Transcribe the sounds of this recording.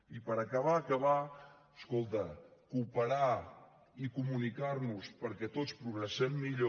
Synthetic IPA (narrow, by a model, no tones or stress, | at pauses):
ipəɾəkəβ̞aːkəβaəskolˠt̪əkupəɾa | ikumunikaɾnuspəɾkɛt̪ot͡spɾuɣɾəsɛmːiʎo